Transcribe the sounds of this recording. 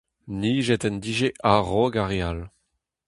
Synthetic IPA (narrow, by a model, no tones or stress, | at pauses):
niːʒɛtɛndiːʒeʔaʁɔɡaʁeal